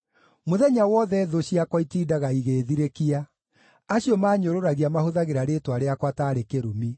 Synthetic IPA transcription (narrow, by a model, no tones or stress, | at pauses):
moðɛɲawɔðɛðoɕiakwɔitiːdaɣaiɣeːðiɾekia | aɕiɔmaːɲoɾoɾaɣiamahoðaɣeɾaɾetwaɾeakwataɾekeɾomi